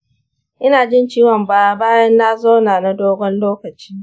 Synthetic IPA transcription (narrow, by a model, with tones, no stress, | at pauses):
ʔɪ˦naː˨d͡ʒɪ˦nt͡ʃiː˦wɔ˨mbaː˦baː˦jɐ˦nːa˦zoː˦naː˨na˦doː˦ɡʷɔ˦nloː˦kɐ˨t͡ʃi̥ː˦